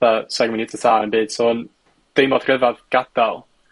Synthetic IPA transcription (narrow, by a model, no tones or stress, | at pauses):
asaɡmɪnɪtʰəsʰaːnənbiːd̥soːn | d̥ejmɔd̥r̥əvaðɡ̥ad̥alˠ